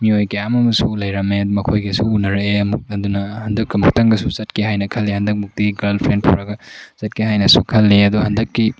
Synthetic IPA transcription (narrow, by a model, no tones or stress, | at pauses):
miojɡijamɐmɐsulɐjɾɐmeɐd̪umɐkʰojɡɐsuunɐɾɐeɐmuk̚ɐd̪unɐhɐndɐkːɐmuk̚tɐŋɡɐsusɐtkehajnɐkʰɐlːehɐndɐk̚muk̚tiɡɐɾlpʰɾendpʰṵɾɐɡɐsɐt̚keɦajnɐsṵkʰɐlːeɐd̪uɦɐndɐkːi